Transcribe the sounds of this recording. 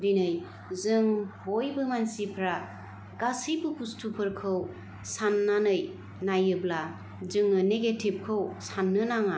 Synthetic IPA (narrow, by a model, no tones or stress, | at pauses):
binɯj | zɯŋhojbɯmansipʰɾa | ɡasɯjbɯkustʰupʰɯɾkʰɯw | sanːanɯj | najɯbla | zɯŋːɯneɡetʰib̚kʰɯwsanːɯnaŋa